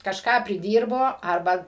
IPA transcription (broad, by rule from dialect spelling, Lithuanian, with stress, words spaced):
kɐʃˈkɑː pʲrʲɪˈdʲiːrboː ˈɐrbɐ